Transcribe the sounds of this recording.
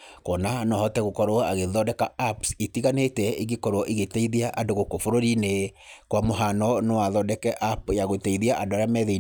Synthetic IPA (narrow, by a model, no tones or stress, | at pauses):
kɔnanɔhɔtɛɣokɔɾoaɣeðɔdɛkaapsetiɣanetɛeɣekɔɾwɔʔiɣetɛiðiaʔandoɣokofoɾoɾine | kwamoɦanɔnewaðɔdɛkɛʔapjaɣotɛiðiaʔandoaɾeamɛðei